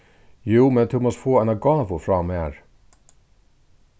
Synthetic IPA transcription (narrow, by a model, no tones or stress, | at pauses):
juːmɛnt̪ʰumɔst̪foːɛnaɡɑːvʊfɾɑːmeːɾ